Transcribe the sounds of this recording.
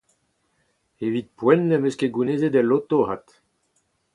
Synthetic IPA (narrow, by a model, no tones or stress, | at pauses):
evit̪̚pwɛnːemøskeɡunezed̪elot̪oɦat̪